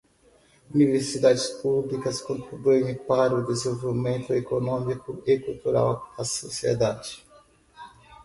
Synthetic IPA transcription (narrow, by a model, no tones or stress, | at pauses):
univeɾsid̪ad͡ʒɪspublikɐskõnt̪ɾibujẽpaɾɐʊd̪ezoovimẽnt̪ʊekonõmikʊekult̪uɾa̰wɐsosiḛd̪ad͡ʒɪ̥